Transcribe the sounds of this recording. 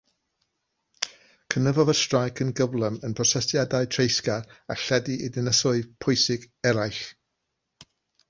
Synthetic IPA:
kʰənəvɔvəstrajkʰənɡəvlˠəmənpʰrɔsɛsjadaɨtʰrejskaa̰ɬɛdiʔidɪnəsɔɨpʰʊɨsɪɡ | ɛɾajɬ

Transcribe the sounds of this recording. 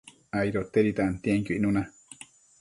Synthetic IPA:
ajɾot̪ːeɾit̪aʔant̪ieŋkʲuiʔnuna

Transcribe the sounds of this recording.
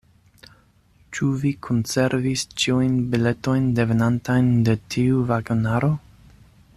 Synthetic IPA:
t͡ʃuvikʰonse̞ɾvist͡ʃiujnbile̞to̞jnde̞venantajnde̞tʰiuvaɡonaɾo̞

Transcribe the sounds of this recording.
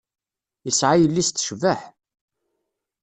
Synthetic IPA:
jəsʕajəlːist̪ːʃvəħ

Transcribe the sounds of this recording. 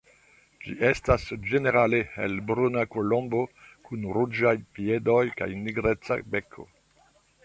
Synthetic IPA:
d͡ʒiʔestasd͡ʒene̞ɾaleḛlbɾunakolõmbo̞kunɾud͡ʒajpiedo̞jka̰jniɡɾet͡sa̰bekʰo̞̰

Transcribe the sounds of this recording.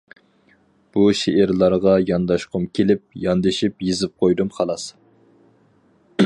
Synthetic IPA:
b̥uʃeʔɪɾlˠɑɾʁɑjɑnd̪ɑʃqʰʊmkʲʰelɪp̚jɑnd̪ɪʃipjizɪp̚qʰojd̪umχɑlˠɑs

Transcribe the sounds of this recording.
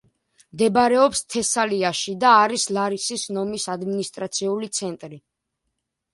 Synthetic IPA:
md̪ɛbɾɛɔpst̪ʰɛsaliaʃid̪aːɾislaɾisisnɔmisad̪minist̪ʼɾat̪sʰiulit̪sʰɛnt̪ʼɾi

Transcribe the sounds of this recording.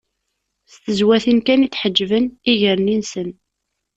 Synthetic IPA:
st̪əzwæθinkæniθħəd͡ʒːvəniʝəɾninsən

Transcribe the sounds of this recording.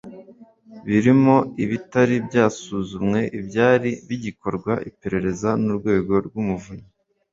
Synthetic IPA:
βiɾimo̞iβitaɾibɟaːsuːzumŋe̞ʔibjaːɾiβiɟiko̞ɾɡwaʔipe̞ɾe̞ɾe̞zanuɾɡwe̞ːɡo̞ɾɡumuvuɲe

